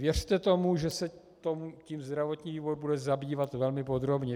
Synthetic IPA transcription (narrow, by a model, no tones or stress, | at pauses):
vjɛr̝̥t̪ɛt̪o̞muʒɛsɛt̪omuciːmzd̪ɾavo̞t̪ɲiːviːvod̪̚budɛzabiːvat̪vɛlmɪpo̞d̪ɾo̞bɲɛ